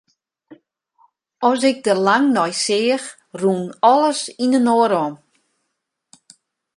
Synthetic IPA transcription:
ɔsɪk̚dəlaŋnɔjsɪːəx | ruːnɔlˠəsinənoːəɾɔm

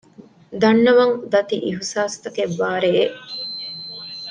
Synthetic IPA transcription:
d̪ɐnːɐʋɐŋd̪ɐt̪ḭʔiɦusaːst̪ɐkeʋːaːɾeʔ

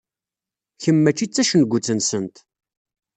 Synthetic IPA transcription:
çəmːæt͡ʃːit͡sːæʃənɡʷːut͡sːənsənt̪

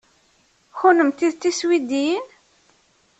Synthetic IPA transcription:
xʊnəmt̪iðt̪ːiswid̪iin

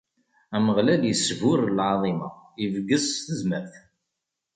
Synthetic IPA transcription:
æməʁlæljəsvʊɾlʕɑðˤimɑivɡəzθəzmæɾθ

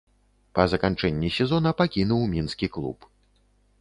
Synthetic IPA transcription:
pɐzɐkant͡ʂɛnʲːisʲɛzɔnɐpakʲinuwmʲinskʲiklˠṵp

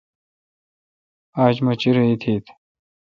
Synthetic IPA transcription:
aːd͡ʑmɐt͡ɕiɾɐit̪ʰiːt̪ʰ

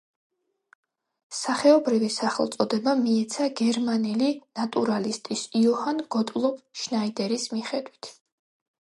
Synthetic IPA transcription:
saχɛɔbɾivisaχɛ̰lˠt̪sʼɔd̪ɛbamiɛt̪sʰaɡɛɾmanɛlinat̪ʼuɾalist̪ʼisiɔhanɡ̥ɔt̪ʼlˠɔb̚ʰʃnaid̪ɛɾismiχɛd̪wit̪ʰ

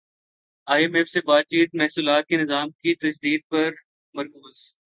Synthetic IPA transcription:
aːiemefsebaːt̪̚t͡ʃiːt̪̚mɛɦsuːlaːt̪̚kenɪzaːmkit̪ɐsd̪iːd̪̚pɐɾ | mɐɾkuːz̥

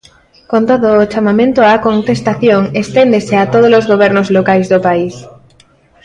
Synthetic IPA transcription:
kont̪oðoːt͡ʃamamẽnt̪oakont̪est̪aθjoŋest̪end̪eseat̪oð̞olozɣoβ̞eɾnozlokajzðopais

